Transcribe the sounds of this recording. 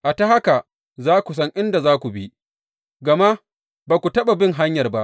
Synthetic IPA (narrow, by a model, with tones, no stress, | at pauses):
ʔa˨ta˦ha˦ka˨ | zaː˦kʷu˨s̬ɐ˦ŋʔɪ˦nda˨zaː˦kʷu˨bi˦ʔ | ɡɐ˨ma˦ | baː˨kʷu˨tɐ˦ɓa˨bɪ˦ŋɦa˦ɲjɐ˨rba˦ʔ